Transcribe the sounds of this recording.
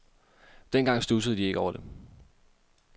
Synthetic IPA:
d̥enɡ̥ɑ̈ŋ̰sd̥usəð̞̩ˠd̥ie̝ɡ̥ɒʊ̰ɐd̥e̝

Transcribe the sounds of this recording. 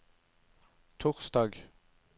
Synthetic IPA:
t̪ʰʊʁsd̪ɑːɡ

